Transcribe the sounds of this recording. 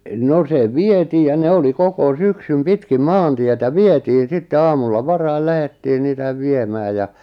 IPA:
no se ʋietiː jɑ ne oli koko syksym pitkim mɑːntietæ ʋietiːn̞ sitːe ɑːmulːɑ ʋɑrɑil læhetːiː niːtæʋ ʋiemæː jɑ

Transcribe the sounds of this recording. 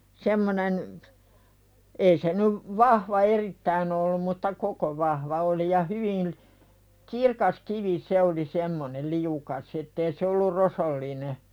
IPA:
semːonen ei se nyʋ ʋɑhʋɑ eritːæin olːum mutːɑ koko ʋɑhʋɑ oli jɑ hyʋil̥ kirkɑs kiʋi se oli semːonel̆ liukɑs etːeː se olːur rosolːine

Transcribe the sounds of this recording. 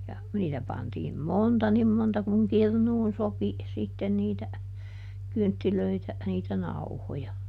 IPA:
jɑ niːtæ pɑntiːm montɑ nim montɑ kuŋ kirnuːn sopi sitːen niːtæ kyntːiløitæ niːtæ nɑuhojɑ

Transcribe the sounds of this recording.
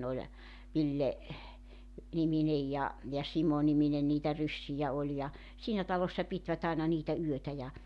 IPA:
nĕ olʲ ʋilːe niminej jɑ jɑ simonimine niːtæ rysːijæ olʲ jɑ siːnæ tɑlosːɑ pitʋæt ɑinɑ niːtæ yøtæ jɑ

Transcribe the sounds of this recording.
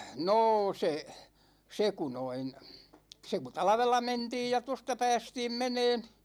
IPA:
noː se se ku noin se ku tɑlɑ̆ʋelːɑ mentiːj jɑ tostɑ pæːstiːm meneːn

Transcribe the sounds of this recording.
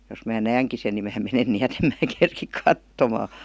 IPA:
jos mæː næːŋki sen ni mæː menen niæt em mæː kerkik kɑtːomɑː

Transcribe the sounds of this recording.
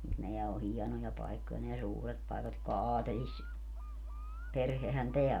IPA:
mut neæ o hiɛnojɑ pɑikːojɑ neæ suːret pɑekɑt jotkɑ ɑːtelis perhehæn teæ

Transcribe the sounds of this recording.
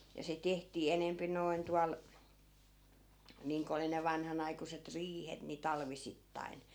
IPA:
jɑ se tehtiː enempi noˑi̯n tuɑl niːŋko oli ne ʋɑnhɑnɑikuset riːhet ni tɑlʋisitːɑi̯n

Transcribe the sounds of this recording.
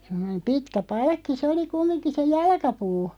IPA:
semˑonem pitkæ pɑlkːi sĕ oli kumːinki se jɑlkɑpuː

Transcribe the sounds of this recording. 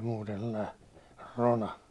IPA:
muːten se̥lːɑi ronɑ

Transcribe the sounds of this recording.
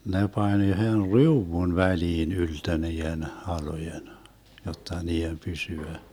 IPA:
ne pɑnʲ yhen riuwun ʋæliːn yltø niːen hɑlojen jotːɑ niːem pysyæ

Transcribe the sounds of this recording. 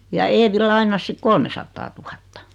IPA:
jɑ eːʋi lɑinˑɑs sik kolmesɑtːɑːtuhɑtːɑ

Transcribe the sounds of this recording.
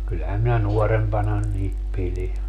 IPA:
kylːæhæm minæ nuɔrempɑnɑ niːt pili

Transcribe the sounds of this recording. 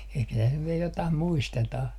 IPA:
ehkæ tæs nyʋ ʋie jotɑh muistetɑh

